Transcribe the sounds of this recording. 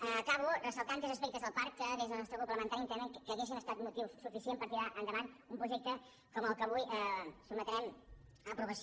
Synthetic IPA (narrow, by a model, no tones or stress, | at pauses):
əkaβurəsəlˠt̪ant̪ezəs̬pek̚t̪əzðəlˠpaɾkːəðezðənɔst̪ɾəkumpləmənt̪aɾint̪ɛmenkkːəːɣes̬inəst̪at̪mut̪iwssːufisiempəɾt̪iɾaʔənd̪əβanumpɾuʒek̚t̪ə | koməlˠkəβujəsumət̪ɾɛm | əpɾuβəs